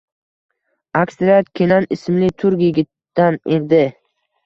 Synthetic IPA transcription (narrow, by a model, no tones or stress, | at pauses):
akst̪ɾat̪̚kʲʰenanɪsɪmlɪt̪ʰʊɾkjɪɡʲɪt̪ːaned̪ɪ